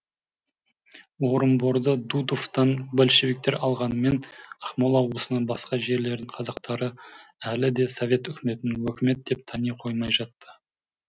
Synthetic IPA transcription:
wo̞ɾəmboɾd̪əd̪ud̪oft̪ɑnbælʃeβik̚t̪e̞ɾɑlˠʁɑnəme̞nɑχmolˠɑwbəsənɑnbɑsqɑʒe̞ɾle̞ɾd̪ɪɴqʰɑzɑqt̪ɑɾəælɪd̪e̞so̞vʲe̞t̪ʏkʲɪme̞t̪ɪnɪŋwɵkʲɪme̞t̪̚d̪e̞p̚t̪ʰɑnijqʰo̞jmɑjʒɑt̪ːə

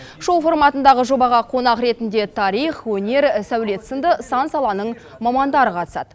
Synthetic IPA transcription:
ʃo̞fo̞rmɑt̪ənd̪ɑʁəʒo̞bɑʁɑqʰo̞nɑqɾe̞t̪ɪnd̪e̞t̪ʰɑɾijχwɵne̞ɾsæwle̞t̪sənd̪əsɑnsɑlˠɑnəɴ | mɑmɑnd̪ɑɾəqʰɑt̪ə̥sɑ̰d̪̥ə

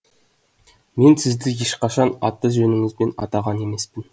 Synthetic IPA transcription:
me̞nsɪzd̪ɪjeʃqɑʃɑnɑ̰t̪ːəʒɵnɪŋɪzbe̞nɑ̰t̪ɑʁɑne̞me̞spɪn

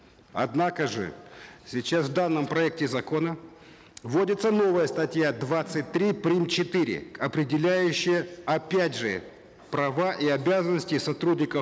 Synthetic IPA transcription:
ɐ̰d̪nakəʐɨ̰sʲɪt͡ɕasvd̪anːəmpɾɐɛk̚tʲɪzɐko̞nə | vo̞dʲɪt̪səno̞vəjəst̪ɐtʲjad̪vat̪sɨt̚ʲt̪ːɾʲipɾʲimt͡ɕɪt̪ɨɾʲɪ̰ɐpɾʲɪdʲɪlʲæjʉɕːɪjəɐpʲædʲʐɨ | pɾɐvaʔiɐbʲazənːəsʲtʲɪsɐt̪ɾudʲnʲɪkə

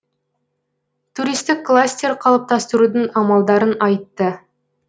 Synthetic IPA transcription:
t̪ʰuɾijst̪ɪkːlˠasʲt̪ʲeɾqʰɑlˠəp̚t̪ɑst̪əɾud̪ɪŋɑmɑlˠd̪ɑɾənɑjt̪ːə

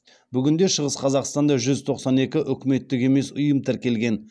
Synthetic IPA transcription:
bʏɡʲɪnd̪e̞ʃəʁəsqʰɑzɑqst̪ɑnd̪ɑʒʏzt̪ʰo̞qsɑne̞kʲɪʔʏkʲɪme̞t̪ːɪkʲe̞me̞sʊjəmt̪ʰɪɾkʲe̞lɡʲe̞n

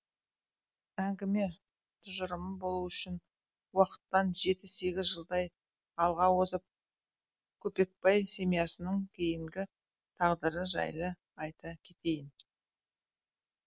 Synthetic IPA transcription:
æŋɡʲɪme̞ | t̪ʰʊʒəɾəməbo̞lˠuʏʃɪn | wɑqə̥t̪ːɑnʒe̞t̪ɪzse̞ɡʲɪzʒəlˠd̪ɑj | ɑlˠʁɑwozəp̚ | kʲʰɵpe̞k̚pɑjse̞mijɑsənəɴkʲʰe̞jɪmɡʲɪ | t̪ʰɑʁd̪əɾəʒɑ̰jlˠə | ɑjt̪ɑkʲʰe̞t̪e̞jɪn

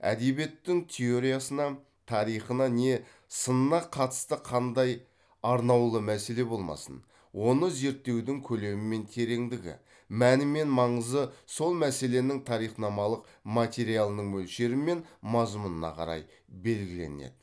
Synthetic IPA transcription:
æ̰d̪e̞bie̞t̪ːɪŋt̪ʲʰe̞o̞ɾijasənɑ | t̪ʰɑɾijχənɑne̞ | sənənɑqʰɑt̪ə̥st̪əqʰɑnd̪ɑj | ɑɾnɑwlˠəmæse̞le̞bo̞lˠmɑ̰sə̰n | wo̞nəze̞ɾt̪ːe̞wd̪ɪŋkʲʰɵle̞mɪme̞nt̪ʰe̞ɾe̞ŋd̪ɪɡʲɪ̰ | mænɪme̞nmɑɴəzəso̞lˠmæse̞le̞nɪŋt̪ʰɑɾijχnɑmɑlˠəq | mat̪ʲe̞ɾijalˠənəɴmɵlʃe̞ɾɪme̞nmɑzmənənɑ̰qʰɑ̰ɾɑ̰j | be̞lɡʲɪle̞̰ne̞̰d̪̥ɪ

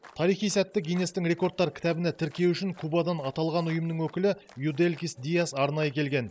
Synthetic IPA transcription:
t̪ʰɑɾijχijsæt̪ːɪɡʲijne̞st̪ɪŋɾe̞ko̞rt̪ːɑɾkʲʰɪ̥t̪æbɪnæt̪ʰɪɾkʲe̞wʏʃɪŋkʰubɑd̪ɑnɑt̪ɑlˠʁɑnʊjəmnəŋwɵkʲɪlɪjud̪e̞lʲkʲisd̪ijasɑɾnɑjəkʲʰe̞lɡʲe̞n

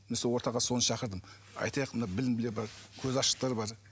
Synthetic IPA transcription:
esowo̞ɾt̪ɑʁɑso̞nəʃɑqəɾd̪əm | ɑ̰jt̪ɑjəqmənɑabɪlɪmbɪlebɑɾkʲʰɵzɑʃə̥q̚t̪ɑɾbɑɾ

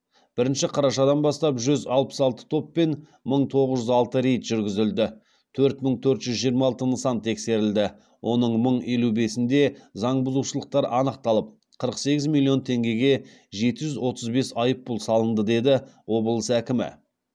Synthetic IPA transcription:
b̥ɪɾɪnʃɪqʰɑɾɑʃɑd̪ɑnbɑst̪ɑpʒʏzɑlˠpə̥sɑlˠt̪ə̥t̪ʰo̞pːe̞n | məɴt̪ʰo̞ʁəzʒʏzɑlˠt̪əɾejt̪ʒ̥ʏɾɡʲɪzɪld̪ɪ | t̪ʰɵɾt̪məɴt̪ʰɵɾt̪ʒʏzʒijɾmɑɑlˠt̪ənəsɑnt̪ʰːe̞kse̞ɾɪld̪ɪ | wʔo̞nəɴməɴe̞lube̞sɪnd̪e̞zɑɴbʊzuʃəlˠəq̚t̪ɑɾɑnəq̚t̪ɑlˠəp̚ | qʰəɾəqse̞ɡʲɪzmilˠːio̞nt̪ʰe̞ŋɡʲe̞ɡʲe̞ | ʒe̞t̪ɪʒʏzwo̞t̪ʰəzbe̞sɑjəpːʊlˠsɑlˠənd̪əd̪e̞d̪ɪwo̞bəlˠəsækʲɪmɪ̰

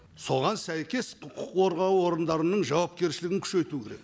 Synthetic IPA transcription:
so̞ʁɑnsæjkʲe̞sqʰʊqʰʊqʰo̞ɾʁɑwəwo̞ɾənd̪ɑɾənəɴʒɑwɑp̚kʲe̞ɾʃɪlɪɡʲɪŋkʲʰʏ̥ʃe̞jt̪ukʲʰe̞ɾe̞̰k

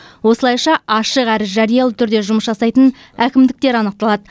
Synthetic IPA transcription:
wo̞səlˠɑjʃɑɑʃəqæɾɪʒɑɾijɑlˠət̪ʰʏɾd̪e̞ʒʊməsʒɑsɑjt̪ən | ækʲɪmd̪ɪk̚t̪e̞ɾɑnəq̚t̪ɑlˠɑd̪ə

